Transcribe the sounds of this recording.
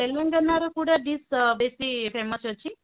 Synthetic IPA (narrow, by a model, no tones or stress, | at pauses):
elːəŋɡənːaɾokuɽaɖisbesipʰeməsət͡ʃʰi